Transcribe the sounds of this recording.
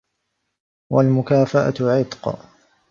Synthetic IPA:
walmʊkaːfaʔa̰ʕɪt̪q

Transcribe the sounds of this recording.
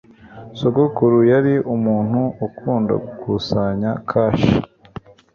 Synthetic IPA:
sokokuɾujaɾiʔumuːn̥huukʰuːnda̰ɡukusaɲakʰaːʃi

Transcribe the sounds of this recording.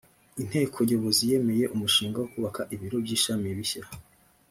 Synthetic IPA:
in̥he̞ːkʰoɟoβo̞zije̞me̞je̞ʔumuʃiːŋɡawokuβakaʔiβiɾo̞bɟiːʃamiβiçaɾa

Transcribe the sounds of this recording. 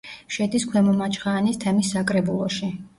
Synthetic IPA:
ʃɛd̪iskʰwɛmɔmat͡ʃʼχaːnist̪ʰɛmisːakʼɾɛbulˠɔʃi

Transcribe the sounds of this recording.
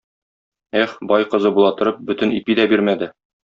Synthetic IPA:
eχbɒjqɤ̆zɤbulˠɑt̪ɤ̆ɾɤp̚bɵt̪ɘ̆nipid̪æbiɾmæd̪ɘ

